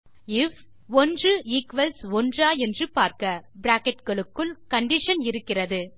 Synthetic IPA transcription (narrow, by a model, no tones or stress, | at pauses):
ɪf | ɔndrɯiːkʋɐlsɔndraːɛndrɯpaːɾkɐbɾaːkɛʈɡɐɭɯkːɯlkɐɳɖɪʂɐnɪɾɯkːɪrɐðɯ